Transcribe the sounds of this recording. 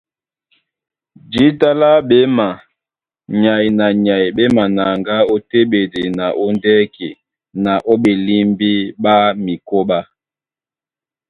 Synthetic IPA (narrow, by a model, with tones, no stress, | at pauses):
d͡ʒi˨˦ta˦la˦ɓe˦ma˨ | ɲa˨jna˨ɲa˨jɓe˦ma˨na˨ŋɡa˦o˦te˦ɓe˨de˨na˨ʔo˦ndɛ˦kḛ˨ | na˨ʔo˦ɓe˨li˦mbi˦ɓa˦mi˨ko˦ɓa˦